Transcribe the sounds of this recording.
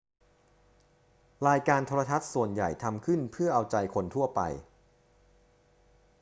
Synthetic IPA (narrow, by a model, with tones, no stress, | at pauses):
ɾaː˧jkaː˧nt̪ʰoː˧ɾa˧t̪ʰa˦˥t̪̚su˨˩ənja̰˨˩jt̪ʰa˧mkʰɯ˥˩npʰɯ˥˩ɐʔa˧wt͡ɕa˧jkʰo˧nt̪ʰu˥˩ɐpa̰˧j